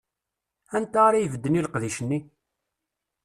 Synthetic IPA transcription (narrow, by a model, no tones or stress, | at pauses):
ænt̪aɾajvəd̪ːəniləqðiʃənːi